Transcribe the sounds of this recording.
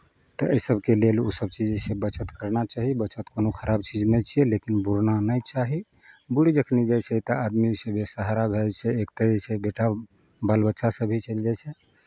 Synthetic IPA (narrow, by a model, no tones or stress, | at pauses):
t̪ɔʔəjsəbʱkelelṵsəb̚t͡ʃid͡ʒsebət͡ʃət̪kəɾnat͡ʃaɦibət͡ʃət̪konokʰəɾabt͡ʃid͡ʒnɛt͡ʃʰiɛlekinbuɾnanəjt͡ʃaɦi | buɽid͡ʒəkʰnid͡ʒat͡ʃʰɛt̪əad̪misəbʱesəɦaɾabʱelt͡ʃʰɛekt̪ed͡ʒet͡ʃʰɛbeʈa | balbətːʃʰasəbʱit͡ʃəld͡ʒajt͡ʃʰɛ